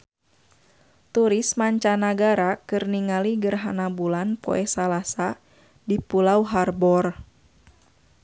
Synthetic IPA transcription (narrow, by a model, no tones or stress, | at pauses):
t̪uɾismaɲt͡ʃanaɡaɾakɨrniŋaliɡərɦanabulanpɔ̰ʔɛsalasa | dipulauɦarbɔr